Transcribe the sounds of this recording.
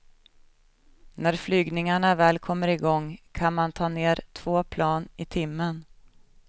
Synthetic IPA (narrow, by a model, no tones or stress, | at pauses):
næɾflyːɡnɪŋaɳavɛːlkʰɔmːəɾɪɡɔŋkʰanmant̪ʰɑːneːɾt̪ʰv̥oːpʰlɑːnɪt̪ʰɪmːən